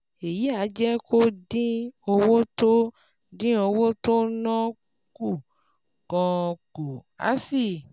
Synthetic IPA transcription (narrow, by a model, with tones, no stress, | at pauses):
e˨ji˨˦a˨˦d͡ʒɛ˦ko˦dĩ˦o˧wo˦to˦ | dĩ˦o˧wo˦to˦nɔ̃˦ | ku˦˨ | kɔ̃˧ko˨ | a̰˨˦si˦˨